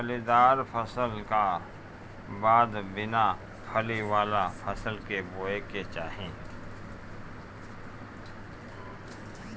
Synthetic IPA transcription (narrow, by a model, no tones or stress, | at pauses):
pʰəlid̪aːɾpʰəsəlka | baːd̪bɪna | pʰəliwaːlapʰəsəlkeboːeket͡ʃaːɦẽː